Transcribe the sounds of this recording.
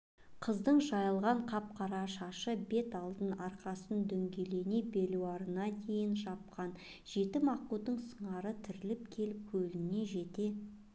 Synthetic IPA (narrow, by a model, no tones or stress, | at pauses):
qʰəzd̪əɴʒɑjəlˠʁɑɴqʰɑp̚qʰɑɾɑʃɑʃəbe̞t̪ɑlˠd̪ənɑɾqɑsənd̪ɵŋɡʲe̞le̞nebe̞luwɑɾənɑd̪e̞jɪnʒɑp̚qɑn | ʒ̥e̞t̪ɪmɑqud̪əɴsəɴɑɾət̪ʰʏɾɪlɪpkʲʰe̞lɪp̚kʲʰɵlɪnne̞ʒe̞t̪e̞